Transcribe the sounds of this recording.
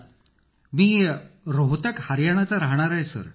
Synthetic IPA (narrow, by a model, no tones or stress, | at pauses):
miːɾoɦt̪əkhaɾjaɽ̃at͡saɾaɦɳ̃aɾajsə̰ɾ